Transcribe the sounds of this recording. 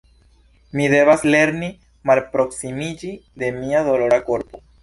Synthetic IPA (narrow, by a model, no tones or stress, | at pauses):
mide̞vasle̞ɾni | malpɾo̞ksimid͡ʒide̞miado̞lo̞ɾako̞ɾpo̞